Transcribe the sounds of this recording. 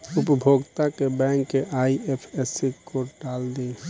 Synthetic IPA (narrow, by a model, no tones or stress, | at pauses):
upəbʱoɡt̪akebɛ̃ŋkːeʔaiepʰesikoɖald̪e